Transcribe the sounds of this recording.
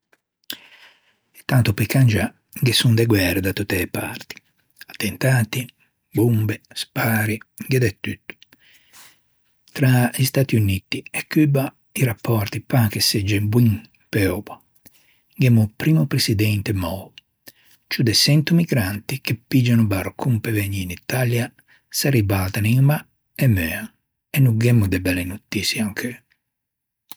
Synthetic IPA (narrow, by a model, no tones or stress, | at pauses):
t̪ːant̪upikand͡ʒa | ŋɡesund̪ɛɡwɛɾed̪at̪ːut̪ːɛːpa̰rt̪i̥ | at̪ːent̪aːt̪i | bumbespaːɾiŋɡed̪ɛt̪ːyt̪ːu̥ | t̪ɾaist̪aːt̪iunit̪iɛkːyba | iɾapːɔɾt̪ipakesed͡ʒɛbwiŋ | pɛɔba | ɡɛmːupɾimupɾesid̪ɛnt̪emɔ | t͡ʃud̪esɛnt̪umiɡɾant̪ikepːid͡ʒanubaɾkʰumpevɛɲːinit̪alja | saɾibat̪aniŋma | ɛmøaŋ | ɛnːuɡɛmːud̪ebɛlenut̪ːisiaŋkʰø